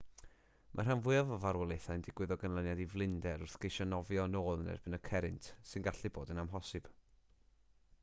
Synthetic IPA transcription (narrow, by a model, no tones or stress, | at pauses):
mʔa̰r̥anvʊɨavɔvaɾwɛlˠejθajndɪɡwɨðɔɡənlˠənjadivlˠɪndɛɾʊrθɡ̥ejʃɔnɔvjɔnoːlˠnɛ̰rb̥ɪnəkʰɛɾɪntʰsɨnɡaɬɨboːdənamɦɔsɨb̥